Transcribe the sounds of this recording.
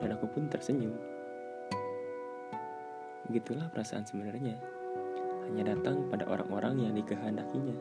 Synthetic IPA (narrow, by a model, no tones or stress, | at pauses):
danakupʊnt̪ərsəɲd͡ʒu | bəɡit̪ulahpəɾasa̰ʔansəmənarɲa | haɲadat̪aŋpada̰ʔo̰ɾʔa̰ŋʔoɾʔaŋjaŋdikəɦəndakiɲa